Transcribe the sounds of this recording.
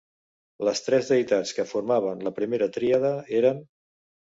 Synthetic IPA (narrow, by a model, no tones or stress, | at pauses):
ləst̪ɾɛzðəjt̪at͡skəfuɾmaβ̞ənləpɾimeɾət̪ɾiəð̞əeɾən